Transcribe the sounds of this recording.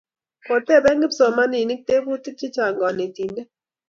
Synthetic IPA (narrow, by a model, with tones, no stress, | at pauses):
po˨te˦˨bɛ˦ŋɡɪ˦pso˨ma˦ni˨ni˦k̚te˦bu˦ti˦t͡ʃi˦t͡ʃa˨ŋɡɔ˨ni˨ti˨nde˦